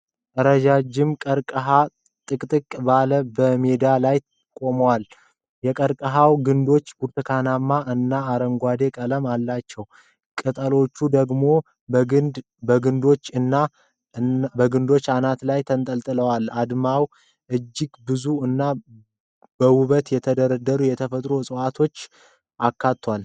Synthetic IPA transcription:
t̪ʼəɾəd͡ʒad͡ʒːɪmkʼəɾkʼəɦa | t̪ʼɨkʼt̪ʼɨkʼbaləbəme̞d̪alaj | kʼo̞məwal | jɛkʼəɾkʼəɦawɡɨnd̪o̞t͡ʃːɡuɾt̪ʰɨkʰanamːaʔɨnːaːɾəŋɡʷad̪e̞kʼələmalːat͡ʃːɛw | kʼɨt̪ʼəlo̞t͡ʃːud̪əɡmo̞ | bəɡɨnd̪o̞t͡ʃːɨnːa | bəɡɨnd̪o̞t͡ʃːanat̪lajt̪ʰənt̪ʼəlt̪ʼɨləwalad̪maw | ʔɨd͡ʒːɪɡbɨzuɨnːa | bəwʊβət̪jɛt̪ʰəd̪əɾəd̪əɾujɛt̪ʰəfət̪ʼɾo̞sʼəwat̪ʰo̞t͡ʃː | ʔakːat̪ʰːwal

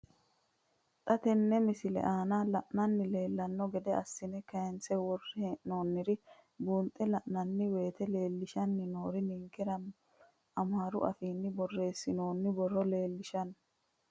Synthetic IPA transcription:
t̪ʼɐt̪ɛnːɛmɪsɪlɛ̰ʔaːnalɐʔnɐnːɪle̞ːlːɐnːɔɡɛd̪ɛɐsːɪnɛkɐjɛnt͡sɛwɔrːɪhɛno̞ːnːɪɾɪ | buːnt̪ʼɛlɐʔnɐnːɪwe̞ːt̪ɛle̞ːlːɪʃɐnːɪno̞ːɾɪniŋkːɛɾɐ | ɐmaːɾʊ̰ʔɐ̰fiːnːɪbɔrːe̞ːsːɪno̞ːnːɪbɔrːɔle̞ːlːɪʃɐn

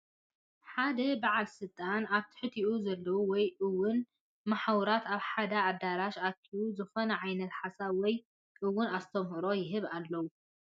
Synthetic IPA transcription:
ħad̪ɐbaʕalsɨlt̪ʼanaβt̪ʰɨ̥ħɨt̪ʰiʔuzɐlːɐwuwɔjʔɨwːʊn | maħawuɾat̪aβħad̪aːd̪aɾaʃat̪ʰiʔuzɨxonɐʕajnɐt̪ħasaβwɔj | ʔɨwːʊnast̪ʰɐmhɨɾo̞jɪɦɨβalːɐwu

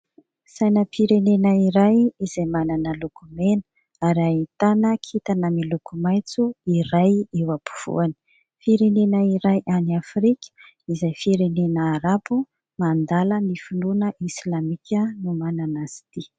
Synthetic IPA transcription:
sajnəpiɾenenəiɾajizajmananəlukumenə̥ | aɾait̪anəkʰit̪anəmilukumajt͡suiɾajewapu̥v̥ṵani̥ | fiɾenenəiɾajʔaniafɾikʲə̥ | izajfiɾenenəːɾapu | mand̪alənifununəʔislamikʲənumananasi̥t̪i

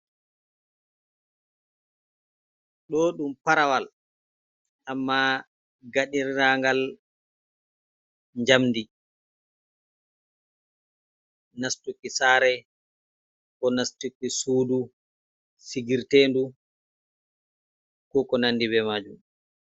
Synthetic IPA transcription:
ɗɔɗumpaɾawal | ʔamːa | ɡaɗiɾːaŋɡal | ɲd͡ʒamdi | nastukisaːɾɛ | kɔnastukisuːdu | siɡiɾteːndu | kɔkɔnanːdibɛmaːd͡ʒum

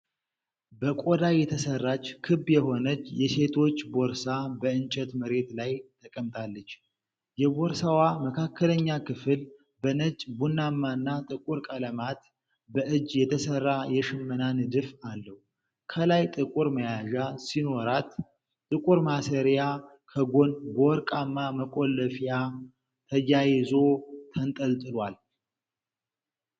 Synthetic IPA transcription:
bəkʼod̪ajɛt̪ʰəsərːat͡ʃːkʰɨbjɛho̞nət͡ʃːjɛse̞t̪ʰo̞t͡ʃːbo̞ɾsabəɨnt͡ʃʼət̪məɾe̞t̪lajt̪ʰəkʼəmt̪ʰʼalːət͡ʃː | jɛboɾsawaməkʰakʰːələɲːakʰɨfɨl | bənət͡ʃʼbunːamːanːat̪ʼɨkʼuɾkʼələmat̪ | bəʔɨd͡ʒjɛt̪ʰəsərːajɛʃɨmːənand̪ɨfalːəhu | kʰəlajt̪ʼɨkʼuɾməjaʒasino̞ɾat̪ | t̪ʼɨkʼuɾmasəɾja | kʰəɡo̞nboɾkʼamːaməkʼo̞lːəfja | t̪ʰəjajɪzo̞t̪ʰənt̪ʼəlt̪ʼɨlwal

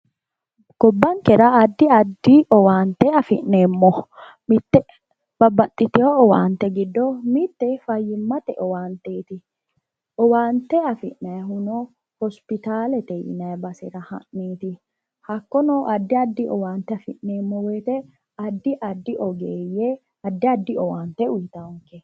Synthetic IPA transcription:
ɡ̥ɔbːɐŋkɛɾɐːd̪ːɪɐd̪ːiɔwaːnt̪ːɛɐfɪʔneːmːɔ | mɪt̪ːɛ | b̥ɐbːɐt̪ʼːɪt̪ɛoɔwa̰ːnt̪ːɛɡɪd̪ːɔmɪt̪ːɛfɐjːɪmːɐt̪ɛʔɔwaːnt̪eːt̪ɪ | ɔwaːnt̪ːɛɐfɪ̰ʔnɐjɦʊnoː | hɔspɪt̪aːlɛt̪ɛjɪ̰nɐjbɐsɪ̰ɾɐhɐ̰ʔːiːt̪ɪ | hɐkːɔnoːʔɐd̪ːɪɐd̪ːɪʔɔ̰waːnt̪ːɛɐfɪʔneːmːɔwe̞ːt̪ɛ | ɐd̪ːɪʔɐd̪ːɪʔɔɡeːjːe | ɐd̪ːɪɐd̪ːɪɔwaːnt̪ːɛʊjt̪ɐŋkːɛ

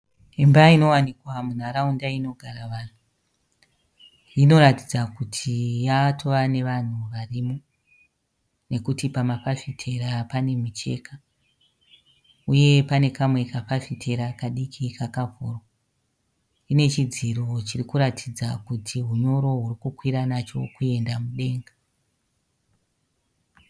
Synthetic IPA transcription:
embaino̞wanikwamun̤aɾaundaino̞ɡʱaɾaʋaːn̤u | ino̞ɾatid͡zakutʰijatʰo̞ʋane̞ʋan̤uʋarimo | ne̞kutipamafafitʰe̞ɾapane̞mit͡ʃe̞ka | uje̞pane̞kamwe̞kafafitʰe̞ɾakaɗikʰikakavʱo̰ro | ine̞t͡ʃid͡ziro̞t͡ʃirikuɾatʰid͡zakutʰiɦuɲo̞ɾo̞ɦurikukwiɾanat͡ʃo̞kue̞ndamuɗe̞ːŋɡa

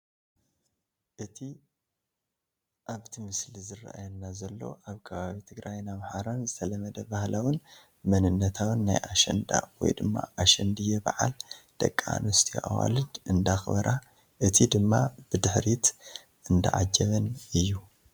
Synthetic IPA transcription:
ʔɨt̪ʰi | ʔaβt̪ʰimɨslizɨrːa̰ʔa̰jɛnːazɐlːo̞̰ʔaβkʰɐβaβit̪ʰɨɡɾʔajnaβħaɾanzɨt̪ʰɐlɐmɐd̪ɐbahlawɨn | mɐnɨnːɐt̪ʰawɨnːa̰jʔaʃɛ̰nd̪a̰wɔ̰jd̪ɨmːa̰ʔaʃɛnd̪ɨjːɛba̰ʕa̰ld̪̥ɐ̰kʼːa̰nɔst̪ʰiʔa̰wa̰lɨd̪ɨnd̪axbɐɾʔa | ʔɨt̪ʰid̪ɨmːab̥ɨd̪ɨħɾit̪ | ɨnd̪ɐ̰ʕa̰d͡ʒːɐβɐnɨjːu

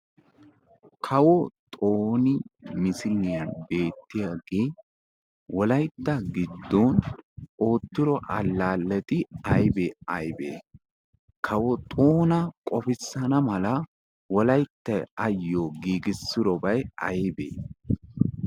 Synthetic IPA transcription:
kʰɐwɔt̪ʼoːnɪmɪsɪlɪjɐnbe̞ːt̪ːɪjaːɡeː | wɔlɐjt̪ːɐɡɪd̪ːono̞ːt̪ːɪɾɔʔɐlːaːlːɛt̪ɪɐjbeɐjbḛː | kʰɐwɔt̪ʼoːnɐkʼɔfɪsːɐnɐmɐlɐ | wɔlɐjt̪ːɐjɐjːoːɡiːɡɪsːɪɾɔbɐjɐ̰jbḛː

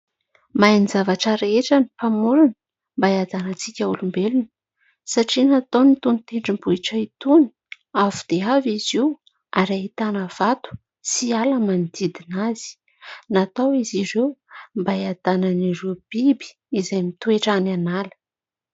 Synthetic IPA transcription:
majnizavaʈ͡ʂaɾeeʈ͡ʂənipamulunə | mbaiad̪anət͡sikʲaulumbelunə̥ | saʈ͡ʂinat̪awnit̪unit̪eɳɖ͡ʐimbuiʈ͡ʂəit̪uni̥ | avud̪̥eaviziw | aɾait̪anəv̥at̪u̥ | sialamanid̪id̪inaz̥i̥ | nat̪awizirewmbaad̪̥ananirewb̥ibi̥ | izajmit̪ueʈ͡ʂananalə̥

